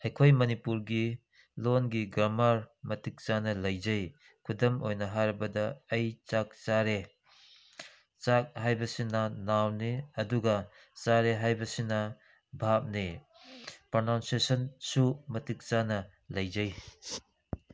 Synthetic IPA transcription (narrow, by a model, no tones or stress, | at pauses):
hɐjkʰojmɐnipuɾɡi | lonɡiɡɾamaɾmɐtik̚t͡ʃanɐlɐjzɐj | kʰudɐmojnɐɦaɾɐbɐdɐːjt͡ʃak̚t͡ʃaɾe | t͡ʃak̚hajbɐsinɐnawniɐduɡɐ | t͡ʃaɾeɦajbɐsinɐ | bʱap̚ni | pɾɐnawnsesɐnsumɐtik̚t͡ʃanɐ | lɐjzɐj